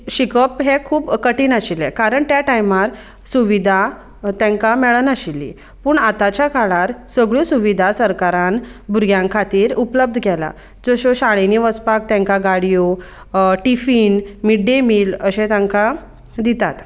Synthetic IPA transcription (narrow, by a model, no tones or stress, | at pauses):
ɕikəpɦekʰuːbkəʈiːnaɕilɛkaɾəɳt̪jaʈajmaɾ | suʋid̪ʱa | t̪ãŋkamɛɭənaɕilːḭ | puːɳat̪at͡ɕjakaɭaɾsəɡɭosuʋid̪ʱasəɾkaɾãnbuɾɡjãŋkʰat̪iːɾupləb̚d̪ʱəɡɛla̰ | d͡zoɕoɕaɭ̃eniʋəspak̚t̪ɛ̃ŋkaɡaɽijo | ʈifiːnmiɖemiːləɕẽt̪ãŋka | d̪it̪at̪